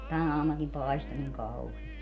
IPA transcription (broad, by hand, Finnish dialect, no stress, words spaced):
tæn ɑːmunɑkim pɑisto niŋ kɑuhiest